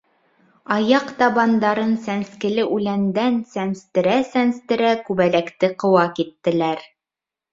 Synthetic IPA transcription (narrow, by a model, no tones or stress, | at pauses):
ɑjɑqt̪ɑβɑnd̪ɑɾɤnsænskɘ̆lɘʔʉlænd̪ænsæmst̪ɘ̆ɾæsænst̪ɘ̆ɾækʉβælækt̪ɘqɤ̆wɑkit̪ːɘ̆læɾ